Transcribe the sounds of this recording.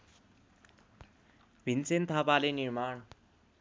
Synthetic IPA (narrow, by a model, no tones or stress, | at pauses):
bʱint͡sent̪ʰapalenirmaɳ